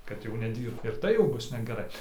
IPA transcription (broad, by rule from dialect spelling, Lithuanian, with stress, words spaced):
kɐt jɛʊ nʲɛˈdʲiːrpt ɪr ˈtɐɪ jɛʊ ˈbʊs nʲɛɡʲɛˈrɐɪ